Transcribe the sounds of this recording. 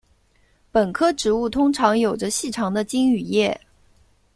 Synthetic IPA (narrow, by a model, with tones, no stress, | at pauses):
pə˨˩nkʰɤ˥ʈ͡ʂɻ̩˧˥u˥˩t̪ʰʊ˥ŋʈ͡ʂʰɑ˧˥ŋjo˨˩ʊʈ͡ʂə˦ɕi˥˩ʈ͡ʂʰɑ˧˥ŋd̪ə˧t͡ɕi˥ŋy˨˩jɛ˥˩